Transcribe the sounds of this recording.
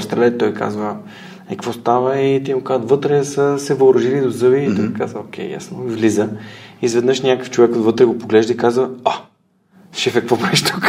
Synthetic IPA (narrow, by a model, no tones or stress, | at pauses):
st̪ɾɛlɛt̪ːɔjka̰zvə | ɛkvɔst̪avəit̪imokazət̪vɤt̪ɾɛsəsɛvəʊɾɐʒilid̪ozɤviːoika̰zvəokʰʲɛ̰jja̰snoivlizəizvɛd̪nɤʃnʲakəft͡ʃovɛkot̪vɤt̪ɾɛɡopoɡlɛʒd̪əikazvəa | fʃɛfɛkvɔpɛʃt̪uk